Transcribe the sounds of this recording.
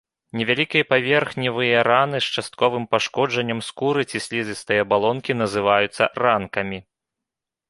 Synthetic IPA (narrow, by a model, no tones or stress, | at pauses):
nʲɛvʲalʲikʲijɐpavʲɛrxnʲivɨjɐɾanɨst͡ʂast̪̚kɔvɨmpaʂkɔd͡ʐɐnʲːɐmskuɾɨt͡sʲisʲlʲizʲɨst̪ɨjɐbalˠɔnkʲinɐzɨvajut̪sːɐrankɐmʲi